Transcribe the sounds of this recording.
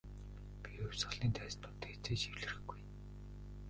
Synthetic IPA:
piɵw̥ʲsɢə̆ɮiːnt̪ʰæːsnt̪ʰʊːnt̪ʰeːt͡seːt͡ɕiwɮɘ̆rɘ̆xɡuj

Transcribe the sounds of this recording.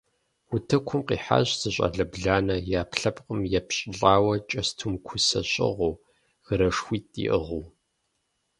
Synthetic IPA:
wʊtʰɐkʷʰʊmqiːħa̰ːɕz̥ɨɕʼɐ̰ɮɐbɮaːnɐjaːpɬɐpqʼəmjɛpɕʼɪɬʼaːwɐt͡ʃʼɐstʰumkʷʰʊsɐ̰ɕʼɪ̰ʁoː | ɣ̥ɨɾɐʂxʷiːtʼḭʔə̰ʁuw

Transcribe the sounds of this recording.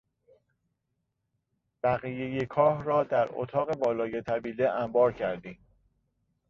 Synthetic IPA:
b̥æɣije̞jekʰɒːhɾɒːd̪æɾo̰t̪ʰɒːɣe̞bɒːlɒːjet̪ʰæbiːleʔæmbɒːɾcʰæɾd̪iːm

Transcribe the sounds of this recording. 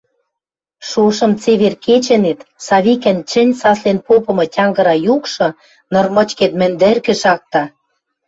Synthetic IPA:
ʃoʃɤ̆mt͡seβerkʰet͡ɕɘ̆net̪sɑβikɘ̆nt͡ɕɘ̆nʲsɑslenpopɤ̆mɤ̆tʲɑŋɡɤ̆ɾɑjukʃɤ̆ | nɤ̆rmɤ̆t͡ɕket̪mɘ̆nd̪ɘ̆rkɘ̆ʃɑk̚t̪ɑ

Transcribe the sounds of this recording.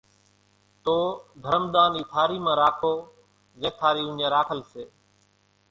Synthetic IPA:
t̪oːd̪ʱəɾəmd̪aːniːt̪ʰaːɾiːmãːɾaːkʰoː | zɛ̃ːt̪ʰaːɾiːʊ̃ɲãːɾaːkʰəlseː

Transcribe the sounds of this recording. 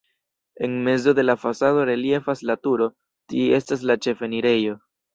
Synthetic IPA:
e̞nme̞zo̞de̞lafasado̞ɾe̞lje̞faslatuɾo̞ | tie̞stas̬lat͡ʃe̞fe̞niɾe̞jo̞

